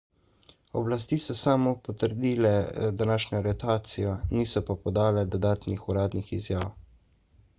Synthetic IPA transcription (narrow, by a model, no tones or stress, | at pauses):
ɔblas̬t̪iːsɔsaːmɔpɔt̪əɾd̪iːlɛd̪anaːʃɲɔɾɛt̪aːt̪sijɔniːsɔpapɔd̪aːlɛd̪ɔd̪aːt̪nixuɾaːd̪nixizjaːw